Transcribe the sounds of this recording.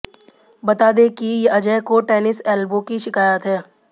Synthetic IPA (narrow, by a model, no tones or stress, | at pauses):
bɐt̪aːd̪ekijeʔɐd͡ʒɛːkoʈɛːnɪsɛːlbokiʃɪkaːjət̪ɦɛː